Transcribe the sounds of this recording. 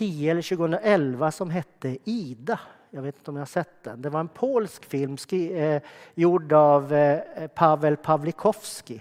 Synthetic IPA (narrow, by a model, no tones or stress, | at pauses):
iːɛlːəɾɕʉːɡəhɵnd̪ɾaʔɛlvasɔmɦɛt̪ːəiːd̪a | jɑɡveːt̪ɪnt̪əɔmjahaʂsɛt̪ːd̪ɛnd̪ɛʋaɾɛnpʰoːlskfɪlmskː | juɖavpʰavəlpʰavlɪkʰɔfskɪ